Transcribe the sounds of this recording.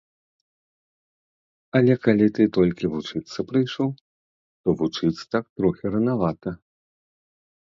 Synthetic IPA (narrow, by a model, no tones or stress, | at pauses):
ɐlʲɛkalʲit̪ɨt̪ɔlʲkʲivut͡ʂɨt̪sːɐpɾɨjʂɔw | t̪ɔvut͡ʂɨt̪sɐ̥t̪ak̚t̪ɾɔxʲɛɾɐnavat̪ɐ